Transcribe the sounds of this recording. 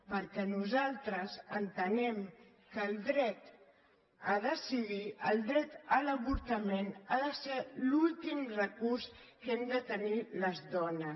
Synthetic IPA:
pəɾkɛnuzalˠt̪ɾəzənt̪ənɛm | kəlˠd̪ɾɛt̪ | aðəsiðiəlˠd̪ɾɛt̪ələβuɾt̪əmenaðəselulˠt̪imrəkurs | kɛmd̪ət̪əniləzðɔnə

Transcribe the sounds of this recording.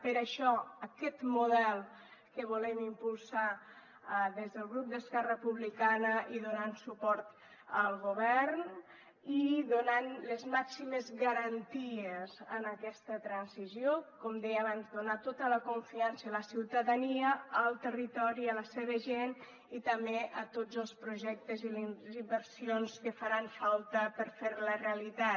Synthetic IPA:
pəɾəʃɔəkɛt̪muðɛlˠ | kəβ̞ulɛmimpulˠsa | ðezðəlˠɣɾup̚d̪əskɛrəpuβlikanəʔiðunansupɔɾt̪ | əlˠɣuβɛɾn | iðunanlezmaksiməzɣəɾənt̪iezənəkɛst̪ət̪ɾənsizjokɔmd̪ɛjəaβanzd̪unat̪ot̪ələkuɱfiansələsiwt̪aðaniəəlˠt̪ərit̪ɔɾiələseβ̞əʒen | it̪əmbeʔət̪od͡zəlˠspɾuʒɛk̚t̪ezilizimbəɾsionskəfaɾaɱfalˠt̪əpəɾfeɾləreəlit̪a

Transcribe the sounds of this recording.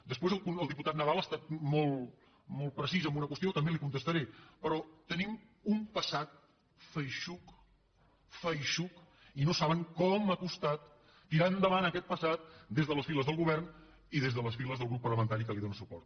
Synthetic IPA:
d̪əspwezəlˠkunəlˠd̪iput̪at̪̚nəðalˠəst̪at̪̚mɔlˠ | mɔlˠt̪̚pɾəsizəmbunəkwəst̪iot̪əmbelikunt̪əst̪əɾepəɾɔt̪ənim | umpəsat̪̚ | fəjʃuk | fəjʃuk | inosaβəŋkɔmakust̪at̪ː | iɾand̪əβanəkɛt̪̚pəsat̪̚d̪ezðələsfiləzðəlˠɣuβ̞ɛrn | iðezðələsfiləzðəlˠɣɾupːərləmənt̪aɾikəliðonəsupɔ̰ɾt̪̚

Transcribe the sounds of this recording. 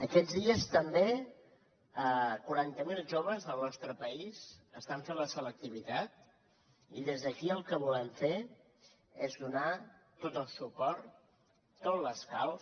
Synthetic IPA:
əkɛd͡zðiəst̪əmbe | əkuɾant̪əmilˠʒoβ̞əzðəlˠnɔst̪ɾəpəizəst̪aɱfenləsələk̚t̪iβ̞it̪at̪̚ | iðezðəkiəlˠkəβulɛɱfe | ezðunat̪ot̪əlˠsupɔɾt̪ː | otləskalˠ

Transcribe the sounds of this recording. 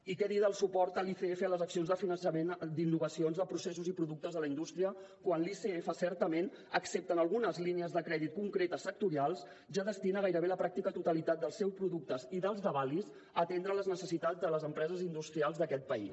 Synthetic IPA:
ikɛðiðəlˠsupɔɾt̪əliθeefələzəksionzðəfinənsəmend̪inːuɣəsionzðəpɾusesuzipɾuðuk̚t̪əzðələind̪ust̪ɾiə | kwanliseefəsɛɾt̪əmen | əksep̚t̪ənəlˠɣunəzliniəzðəkɾɛðit̪̚kuŋkɾet̪əsːək̚t̪uɾialˠs | ʒaðəst̪inəɣajɾəβeləpɾak̚t̪ikət̪ut̪əlit̪at̪̚d̪əlˠsɛwspɾuðuk̚t̪əziðəlˠzðəβalis | ət̪end̪ɾələznəsəsit̪ad͡zd̪ələzəmpɾɛzəzind̪ust̪ɾialˠzðəkɛt̪̚pəḭs

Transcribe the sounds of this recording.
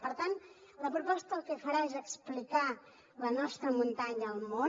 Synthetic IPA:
pəɾt̪an | ləpɾupɔst̪əːlˠkɛfəɾaezəksplika | lənɔst̪ɾəmunt̪aɲəːlˠmo

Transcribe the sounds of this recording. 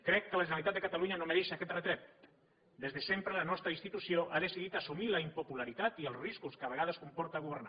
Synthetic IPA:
kɾɛkːəlaʒenalit̪at̪d̪ekat̪aluɲanõmeɾeʃakɛt̪ret̪ɾɛp̚ | d̪ezðesempɾelanɔst̪ɾainst̪it̪usjoʔaðesiðit̪asumilaimpopulaɾit̪at̪ielˠzriskuskaβ̞eɣaðəskumpɔɾt̪aːɣuβ̞eɾna̰

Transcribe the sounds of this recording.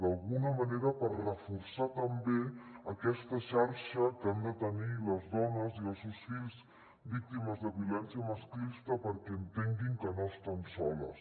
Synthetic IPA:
d̪əlˠɣunəməneɾəpərrəfuɾsat̪əmbeəkɛst̪əʃaɾʃəkand̪ət̪əniləzðɔnəziəlˠsusfiʎz | bik̚t̪iməzðəβjulɛnsjəməsklist̪əpəɾkɛənt̪eŋɡiŋkənoəst̪ansɔlə̰s

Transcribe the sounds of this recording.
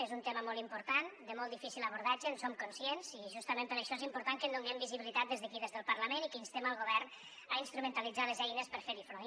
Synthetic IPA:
ezunt̪eməmɔlˠt̪impuɾt̪and̪əmɔlˠd̪ifisilˠəβ̞uɾð̞ad͡ʒənsomkunsjenz̥iʒust̪əmẽmpəɾəʃɔezimpuɾt̪aŋkənd̪uŋɡɛmbiziβilit̪at̪̚d̪ezðəkiðezðəlˠpəɾləmenikəinst̪eməlˠɣ̞oβɛrn | ainst̪ɾumənt̪əlid͡zaləzɛjnəspəɾfeɾifɾo

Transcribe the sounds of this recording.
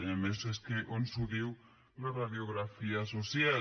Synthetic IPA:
emeseskeʔonsuðiw | laraðjoɣɾafiasosja

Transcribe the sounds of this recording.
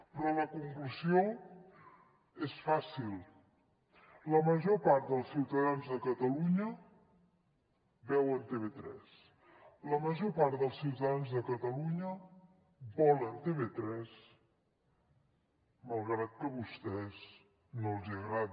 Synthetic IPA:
pɾɔləkuŋkluzio | esfasilˠ | ləməʒopaɾt̪̚d̪əlˠsiwt̪əðanzðəkət̪əluɲə | bɛwənt̪eβet̪ɾɛ̰s | ləməʒopaɾt̪d̪əlˠsiwt̪əðanzðəkət̪əluɲə | bɔlənt̪eβet̪ɾɛs | məlˠɣɾat̪̚kəβust̪ɛz | nolˠziəɣɾað

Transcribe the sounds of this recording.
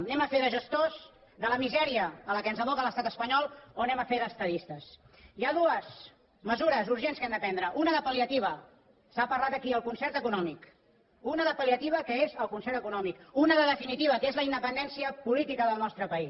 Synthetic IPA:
nɛməfeðəʒəst̪oz | ðələmizɛɾiəːləkənzəβ̞ɔkələst̪at̪əspəɲɔlˠonɛməfeðəst̪əðist̪əs | iaðuəz | məzuɾəzuɾʒenskɛmd̪əpɛnd̪ɾəʔunəðəpəliət̪iβ̞ə | sapəɾlat̪əkiəlˠkunsɛɾt̪əkunɔmik | unəðəpəliət̪iβ̞əkəezəlˠkunsɛɾt̪əkunɔmikunəðəðəfinit̪iβ̞əkezləind̪əpənd̪ɛnsiəpulit̪ikəðəlˠnɔst̪ɾəpəi

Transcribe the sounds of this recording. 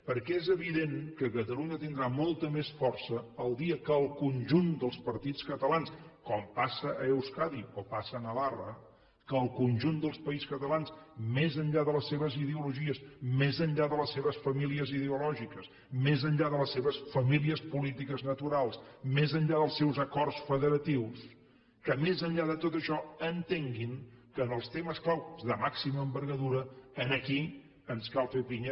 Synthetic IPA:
pəɾkɛezəβiðeŋkəkət̪əluɲət̪ind̪ɾamɔlˠt̪əmesfɔrsəːlˠd̪iəkəːlˠkunʲʒund̪əlˠspəɾt̪it͡skət̪əlanskɔmpasəʔəːwskaðiopasəːnəlarə | kəːlˠkunʲʒund̪əlˠspəiskət̪əlansmezənʎaðələsːeβəziðəuluʒiəsmezənʎaðələsːeβəsfəmiliəziðəulɔʒikəs | mezənʎaðələsːeβəsfəmiliəspulit̪ikəznət̪uɾalˠsmezənʎaðəlˠsɛwzəkɔrsfəðəɾət̪iws | kəmezəɲʎaðət̪ot̪əʃɔənt̪eŋɡiŋkəːnəlˠst̪eməsklawzðəmaksiməːmbəɾɣəðuɾəənəki | ənskalˠfeβiɲ

